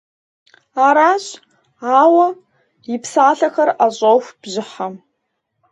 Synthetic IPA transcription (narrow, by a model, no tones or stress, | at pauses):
aɾaɕ | awɐ | ipʰsaːɬɐxɐraɕʼowfb̥ʒɪħam